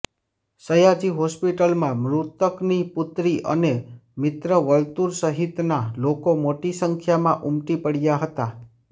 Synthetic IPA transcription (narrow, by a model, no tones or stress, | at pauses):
səjad͡ʒiɦɔspiʈəlmãmɾut̪əknipʊt̪ɾiʔə̰nemɪt̪ɾəʋəlt̪uɾsəɦit̪nalokomoʈisəŋkʰjamãʔumʈipəɽjaɦət̪a